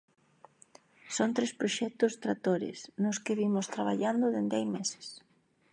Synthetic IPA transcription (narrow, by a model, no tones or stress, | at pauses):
sont̪ɾespɾoʃɛk̚t̪ʊst̪ɾat̪oɾɪ̰snʊskɪβimʊst̪ɾaβa̰ʎand̪ʊðend̪ɪajmesɪ̥s